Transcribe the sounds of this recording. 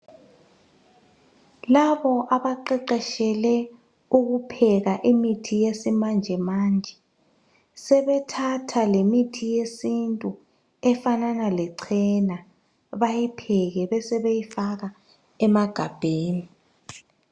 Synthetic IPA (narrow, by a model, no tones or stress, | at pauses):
laβɔʔaβaǃɛǃɛʃɛlɛ | uɣupʰɛɣaʔimitʰijesimand͡ʒʱɛmaːnd͡ʒʱɛ | sɛβɛtʰatʰalemitʰijesintʼu | ɛfananalɛǀʰɛna | βajipʰɛɣɛβɛsɛβejifaɣa | ɛmaɡ̥ʱab̥ʱeːni